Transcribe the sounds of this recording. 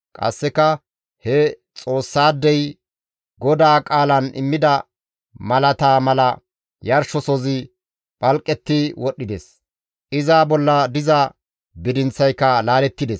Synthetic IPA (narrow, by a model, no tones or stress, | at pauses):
kʼɐ̰sːɛkɐ | hɛ | t͡sʼo̞ːsːaːd̪ːɛj | ɡɔd̪aːkʼaːlɐnʔɪ̰mːɪd̪ɐ | mɐlɐt̪aːmɐlɐ | jɐɾʃɔsɔzɪ | pʼɐlkʼːɛt̪ːɪwɔɗːɪd̪ɛs | ʔɪzaːbɔlːɐd̪ɪzɐ | bɪd̪ɪnt͡sːɐjkːɐlaːlɛt̪ːɪd̪ɛs